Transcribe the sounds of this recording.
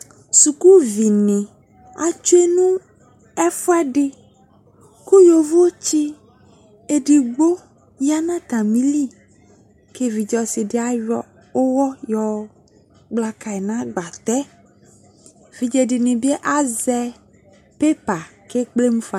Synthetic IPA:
su˨ku˦vi˨nɪ̃˨ | a˨t͡ʃu˦e˦nũ˦ | ɛ˦fu˦a˦ɖɪ˦ | ko˦jo˨vo˦o˦t͡ʃi˦ | e˨ɖi˨ɡ͡bo˦ | ja˦nã˦t̪a˨mĩ˦li˦˨ | ke˦vi˨d͡ʒɔ˨si˨dɪ˨˦a˦jɔ˦ | o˦wɔ˦jɔ˨ | ɡ͡bla˨ka˨ɛ˨nã˦ɡ͡ba˨t̪ɛ˦ | vi˨d͡ʒe˨dɪ˨nĩ˨bi˦e˦ʔa˦zɛ˦ | pe˦pa˨ke˦k͡ple˦mũ˦fa˨

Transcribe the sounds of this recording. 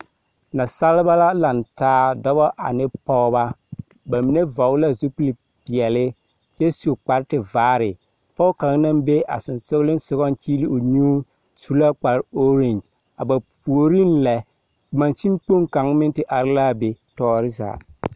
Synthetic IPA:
na˨sa˦lɪ˦ba˦la˦la˨ntaː˦dɔ˦bɔ˦ʔa̰˨nɪ˦pɔ˦ba˦ | ba˨mi˨ne˦vɔ˨˦ɣla˦zu˦pli˨ | pɪ˨ɛ˨lɪ˦ | t͡ʃɛ˦su˨k͡pa˨ɾtɪ˨vaː˦ɾɪ˨ | pɔ˦ʊ˦ka˨˦ŋ˦na˦mbe˦a̰˨sʊ˨nsʊ˦ɣlɪ˦n˦sʊ˨ɣɔ˦nt͡ʃiː˦li˦ʊ˨ɲuː˦ | su˦la˦k͡pa˨ɾo˦ɾe˨nd͡ʒ | a˨ba˨pu˨o˨ɾi˦nlɛ˨ | ma˨nsi˦mk͡po˦ŋka˨˦ŋmɪ˦ntɪ˨ʔa˨ɾɪ˦la˦be˨tɔː˦ɾɪ˦za̰ː˨

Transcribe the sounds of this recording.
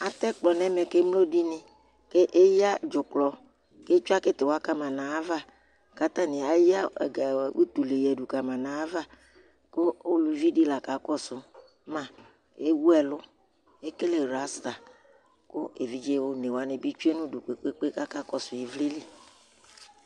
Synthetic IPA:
a˨t̪ɛ˦k͡plɔ˨nɛ˦mɛ˨ke˦mlo˦di˦nɪ̃˨ | ke˦ʔe˦ja˦d͡ʒʊ˨k͡plɔ˨ | ke˦t͡ʃu˦a˦kɪ˦t̪e˨wa˦ka˦mã˨nã˨a˦va˦˨ | ka˦t̪ã˦nɪ̃˨a˨ja˦ɛ̰˨ɡa˨wṵ˦t̪u˨le˨jɛ˨ɖu˨ka˨mã˨nã˨a˦va˦ | kʊ˦o˦lu˨vi˦di˦la˨ka˨kɔ˦sʊ˨ | mã˨ | e˦wu˦ɛ˨lʊ˦ | e˦ke˦le˨ɾa˨˦st̪a˨ | kʊ˦e˨vi˦d͡ʒe˦wo˦ne˨wa˨˦nɪ̃˨bi˦t͡ʃu˦e˦nʊ̃˦du˨k͡pe˨k͡pe˦k͡pe˦ka˦ka˦kɔ˦sʊ˨je˨vli˦li˦

